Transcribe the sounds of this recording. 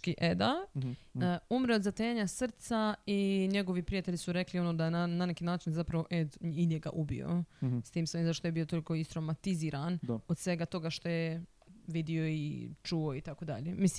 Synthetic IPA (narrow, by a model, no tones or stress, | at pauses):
kiʔed̪a | umɾeod̪zat̪eːaɲasr̩t̪saiɲe̞ɡo̞ʋipɾijat̪eʎisuɾe̞klio̞noːd̪ajenananekiːnaːt͡ʃinzapɾaʋo̞ʔed̪iɲeɡa̰ʔubḭo̰st̪iːmsojizaʃt̪ojbio̞t̪o̞liko̞ist̪ɾomat̪iziːɾanod̪sʋe̞ɡat̪o̞ɡaʃt̪o̞je | ʋid̪io̞it͡ʃuoit̪akod̪a̰ʎemis